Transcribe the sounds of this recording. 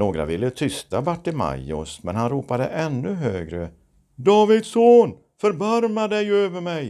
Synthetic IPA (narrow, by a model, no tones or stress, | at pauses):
noːɡɾa̰vɪlːət̪ʰʏst̪abaʈːɪma̰jɔsmɛnhanɾuːpad̪ə̰ʔɛnːɵɦøːɡɾə | d̪ɑːvɪd̪soːn | fœɾbaɾmad̪ɛjøːvəɾmɛj